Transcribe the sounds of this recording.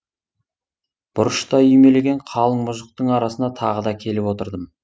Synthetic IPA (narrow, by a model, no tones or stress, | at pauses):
b̥ʊɾəʃt̪ɑʏjme̞le̞ɡʲe̞ɴqʰɑlˠəɴmʊʒəq̚t̪əɴɑɾɑsənd̪ɑt̪ʰɑʁəd̪ɑkʲʰe̞lɪpwo̞t̪əɾd̪əm